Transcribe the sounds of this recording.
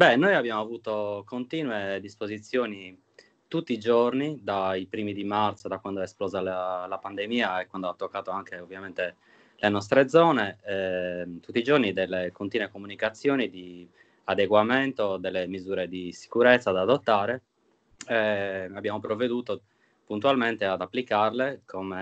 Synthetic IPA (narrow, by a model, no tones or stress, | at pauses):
bɛnːojabːjaːmoavuːt̪okont̪iːnwed̪ispozit̪sːjoːni | t̪ut̪ːiːd͡ʒornid̪aipɾiːmid̪imart̪sod̪akwand̪oɛesplɔːzalalapand̪emiːaɛkwand̪oat̪ːokːaːt̪oaŋkeovjamɛnt̪e | lenɔst̪ɾed̪zɔːneɛt̪ut̪ːiːd͡ʒornid̪ɛlːekont̪iːnwekomunikat̪sːjoːnid̪i | ad̪eɡwament̪od̪ɛlːemizuːɾed̪isi̥kuɾɛt̪sːad̪aːd̪ot̪ːaːɾe | ɛabːjaːmopɾovːed̪uːt̪o | punt̪ualment̪ead̪apːlikarlekʰome